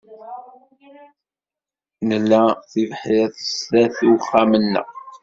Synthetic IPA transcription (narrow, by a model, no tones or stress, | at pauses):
nəlːæθivħɪθəsæθuwχamənːə̰ʁ